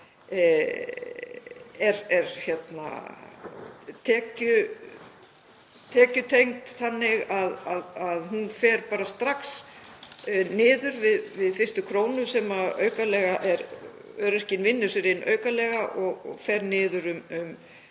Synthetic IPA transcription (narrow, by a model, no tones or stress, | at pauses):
ɛɾɛɾçɛt̪na̰ | t̪ʰɛːcʏ | t̪ʰɛːcʏt̪ʰejŋt̪θanːɪɣaðaðaðɦunfɛɾpaːɾast̪ɾaks | nɪːðʏɾvɪðvɪðfɪst̪ʏkʰɾoːwnʏsɛmaœ̰ːɥkalɛɣaʔɛɾœɾɛr̥cɪnvɪnːʏsɪɾɪnʔœ̰ːɥkalɛːɣaʔɔɣɔ̰ɣfɛɾnɪːðʏɾʏmʏm